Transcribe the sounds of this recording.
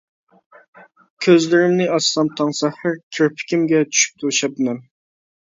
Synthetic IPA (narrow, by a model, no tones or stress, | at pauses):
kʲʰøzlɪɾɪmnɪʔɑsːɑmt̪ʰɑŋsɛhɪɾkʲʰeɾpʰɪ̥kʲʰimɡʲɛt͡ʃʰy̥ʃy̥p̚t̪ʰuʃɛp̪̚ɪmɛn